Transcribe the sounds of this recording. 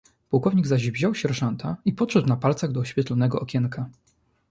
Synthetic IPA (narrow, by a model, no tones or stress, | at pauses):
puwkɔvɲiɡzaʑvʑɔwɕɛɾʐant̪ʰaipɔtʂɛd̪wnapalt̪saɣd̪ɔɔɕfʲjɛt̪lɔnɛɡɔʔɔkʲɛŋka